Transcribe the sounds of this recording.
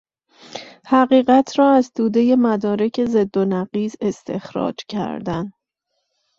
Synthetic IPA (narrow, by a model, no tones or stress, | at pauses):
hæɢiːɢæt̪ʰɾɒːæzt̪ʰuːd̪e̞je̞mæd̪ɒːɾe̞cʰe̞ze̞d̪ːonæɢiːze̞st̪ʰe̞̰xɾɒ̰ːd͡ʒcʰæ̰ɾd̪æn